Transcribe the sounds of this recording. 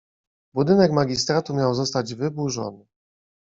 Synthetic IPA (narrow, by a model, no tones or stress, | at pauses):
bud̪ɘnɛkmaɡʲist̪ɾat̪umʲjawzɔst̪ad͡ʑvɘbuʐɔ̰nɘ